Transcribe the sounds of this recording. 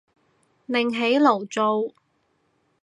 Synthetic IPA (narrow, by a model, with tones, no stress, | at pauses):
lɪ˨ŋɦe˨˥jlo˨˩wt͡so˨˧w